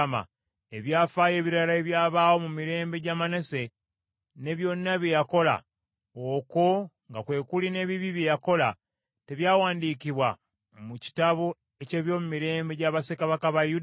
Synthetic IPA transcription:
ma̰ | e̞βjaːfaje̞ːβiɾalae̞βjaːβaːwo̞mumiɾe̞ːmbe̞ɟamane̞se̞ | ne̞βjo̞nːaβje̞jako̞la̰ | oko̞ŋɡakwe̞ːkuline̞ːβiβiβjejako̞la | te̞βjaːwaːndiːkiβwa | muci̥taβo | e̞ce̞ːβjo̞ːmumiɾe̞ːmbe̞ɟaβasekaβakaβajud

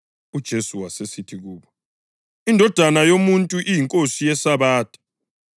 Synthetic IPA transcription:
ud̥ʒ̥ʱesuwasesitʰiɣ̬uːɓɔ | indʱɔd̥ʱanajomuntʼuʔijiŋkʼosijɛsaβaːtʼḁ

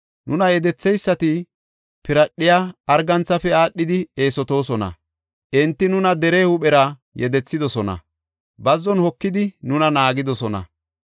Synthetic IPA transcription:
nʊnɐjɛd̪ɛt͡sːɛjsːɐt̪ɪ | pɪɾɐɗːɪjaːɐɾɡɐnt͡sːɐfɛaːɗːɪd̪ɪe̞ːsɔt̪o̞ːsɔnɐ̰ | ʔɪnt̪ːɪnʊnɐd̪ɛɾeːhʊɓɛɾɐ | jɛd̪ɛt͡sːɪd̪ɔsɔnɐ̰ | bɐzːɔnhɔkːɪd̪ɪnʊnɐnaːɡɪd̪ɔsɔnɐ̰

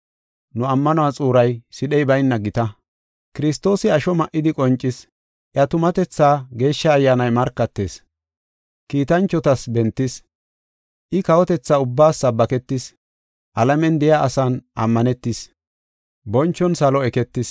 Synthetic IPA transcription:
nʊɐmːɐnʊat͡sʼuːɾɐjsɪɗɛjbɐjnːɐɡɪt̪ɐ | kɪɾɪst̪ːo̞ːsɪɐʃɔmɐʔɪd̪ɪkʼɔnt͡ʃʼːɪs | ʔjɐt̪ʊmɐt̪ɛt͡sːaːɡe̞ːʃːɐːjːaːnɐjmɐɾkːɐt̪ːeːs | kiːt̪ɐnt͡ʃːɔt̪ɐsbɛnt̪ːɪs | ʔɪkɐwɔt̪ɛt͡sːaːʊbːaːsːɐbːɐkɛt̪ːɪs | ʔɐlɐmɛnd̪ɛjaʔɐsanʔɐ̰mːɐnɛt̪ːɪs | bɔnt͡ʃːɔnsɐlɔɛkɛt̪ːɪs

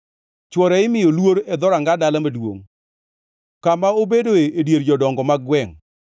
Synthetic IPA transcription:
t͡ʃwɔɾɛɪmɪjolwoɾɛd̪ɔɾaŋɡadalamadwo̰ŋ | kamaobedoeedjeɾd͡ʒɔdɔŋɡɔmaɡwɛŋ

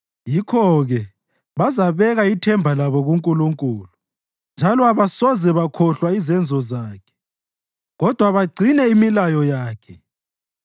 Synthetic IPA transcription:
jikʰɔɣɛ | βazaβɛɣaitʰɛmbʱalaβɔɣuŋkʼuluŋkʼuːlu | nd͡ʒʱalɔaβasɔzɛβakʰɔɬwaizɛnd͡zʱɔzaːkʰɛ̥ | ɣɔd̥ʱwaβaɡ͡ǀʱinɛimilajɔjaːkʰɛ

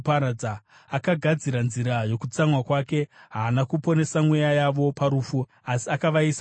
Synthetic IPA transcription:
paɾad͡za | akaɡʱad͡ziɾanziɾajo̞kut͡samwakwake̞ɦaːnakupo̞ne̞samwujajaʋo̞paɾuːfu | asiakaʋais

